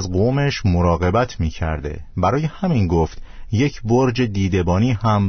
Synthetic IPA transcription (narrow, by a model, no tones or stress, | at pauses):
zɡoːme̞ʃmoɾɒːɣe̞bæt̪ʰmiːcʰæ̰ɾd̪e̞̰bæɾɒːje̞hæminɡoft̪je̞cʰboɾd͡ʒe̞d̪iːd̪e̞bɒːniːhæm